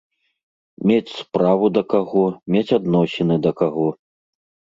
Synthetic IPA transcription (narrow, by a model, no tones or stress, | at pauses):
mʲet͡sʲspɾavud̪ɐkaɣɔmʲet͡sʲad̪nɔsʲɛnɨd̪ɐkaɣɔ